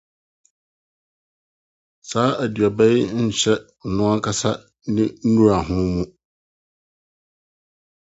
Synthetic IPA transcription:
saː˦ʔæ˨dɥa˨bɛ˦jɪ˦ɲ̩˦ɕɛ˦˨ | nʊ̃˦a˦kʰa˦sa˦ | nɪ̃˦n̩˦nũ˦ɾa˨ɦʊ̃˦mũ˦

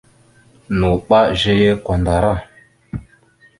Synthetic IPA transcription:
nu˨k͡pa˦ʒe˧je˦kɔ˨nda˨ɾa˦˨

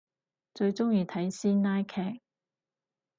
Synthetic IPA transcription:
t͡ʃɵ˧ɥt͡sʊ˥ŋjiː˧t̪ʰɐ˨˥jsiː˥nnaː˥jkʰɛː˧˩k̚

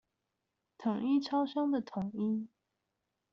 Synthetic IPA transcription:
t̪ʰʊ˨˩ŋi˥ʈ͡ʂʰɑ˥ʊʂɑ˥ŋd̪ə˨t̪ʰʊ˨˩˦ŋi˥

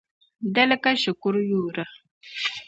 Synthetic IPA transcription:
d̪ɐ˦lkaʃʊ˨kʊ˦ɾjuː˨ɾə˨

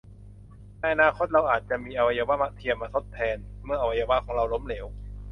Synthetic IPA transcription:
nɛː˧jʔa˧naː˧kʰo˦˥t̪̚ɾa˧wʔaː˨˩t̪̚t͡ɕa˨˩ʔmiː˧ʔa˧wa˧jaː˧wa˦˥ma˦˥ʔt̪ʰi˧əmːaː˧t̪ʰo˦˥t̪ʰːɛː˧nmɯ˥˩ɐʔa˧wa˧jaː˧wa˦˥˩kʰɔː˩˦ŋɾa˧wlo˦˥mleː˩˦w

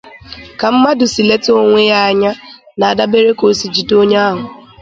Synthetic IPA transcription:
ka˨m̩˦ma˦dʊ˨si˨le˦to˦ŋʷe˦ja˦a˨ɲa˦ | na˨a˨da˦be˦ɾe˦ko˨si˨d͡ʒi˨do˦ɲa˦a˦ɦʊ˨

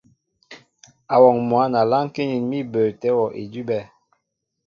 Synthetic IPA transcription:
a˨wɔ˨ŋmwa˨˦na˨la˦ŋ˦ke˦ɲi˨nmi˦bə˨tɛ˦wɔ˨ʔḛ˨di˦bɛ˦˨

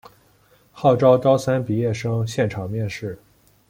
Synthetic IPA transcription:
xɑ˥˩ʊʈ͡ʂɑ˥ʊt̪ɑ˥ʊsa˥npi˨˩jɛ˥˩ʂɤ˥ŋɕjɛ˥˩nʈ͡ʂʰɑ˨˩ŋmjɛ˥˧nʂɻ̩˥˩

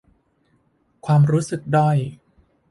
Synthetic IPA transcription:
kʰwaː˧mɾuː˦˥sɯ˨˩k̚da˥˩j

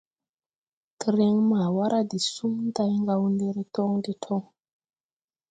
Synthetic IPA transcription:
ti˨ɾe˨ŋma˨wa˦ɾʔa˦di˨su˦mn˦da˦jŋɡa˧wu˦nde˦ɾe˦tɔ˦ŋnde˦tʰo˦ŋ

